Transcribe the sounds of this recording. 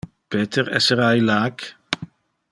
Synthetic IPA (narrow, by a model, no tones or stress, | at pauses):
peːt̪ʰəɾɛ̰səɾajlaːk